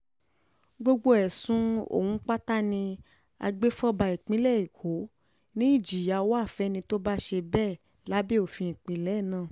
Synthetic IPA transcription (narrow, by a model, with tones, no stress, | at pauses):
ɡ͡bo˧ɡ͡bo˧ɛ˨sũ˦o̰˦˨hũ˨˦k͡pa˦ta˦nĩ˧ | a̰˧ɡ͡be˦fɔ˦ba˧i˨k͡pĩ˦lɛ˦˨i˨kʰo˨˦ | nĩ˦i˦˨d͡ʒi˨ja˧wa˦˨fɛ˦nĩ˧to˦ba˦ʃe˧bɛ˦˨ | la˨˦bi˦o˦˨fĩ˧ĩ˨k͡pĩ˨˦lɛ˨˦˨nãː˦˨